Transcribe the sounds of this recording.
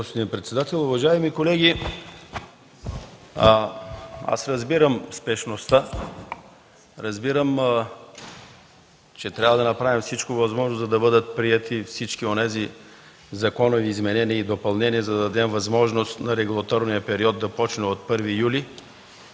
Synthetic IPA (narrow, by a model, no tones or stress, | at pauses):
ospod̪inpɾɛt̪sɛd̪at̪ɛlˠʊvɐʒaɛmikolɛɡʲi | a̰sɾɐzbiɾəmspɛʃnost̪a | ɾɐzbiɾəm | t͡ʃɛt̪ɾʲavɐd̪ɐnɐpɾavimfsit͡ʃkovɐzmɔʒnozzɐd̪ɐbɤd̪ət̪̚pɾiɛt̪ʰifsit͡ʃkionɛzi | zɐkɔnoviːzmɛnɛniəid̪opɐlˠnɛniɛzɐd̪ɐd̪ɐd̪ɛmvɐzmɔʒnost̪nɐɾɛɡulˠɐt̪ɔɾnijəpɛɾiɔd̪ːɐpɔt͡ʃnɛot̪̚pɤɾvijuli